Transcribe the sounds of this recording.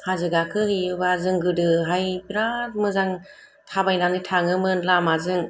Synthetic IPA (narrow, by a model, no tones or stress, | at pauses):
hazɯɡakʰɯhɯjɯbazɯŋɡɯdɯɦajbɾat̚mɯzaŋ | tʰabajnanɯtʰaŋɯmɯnlamazɯŋ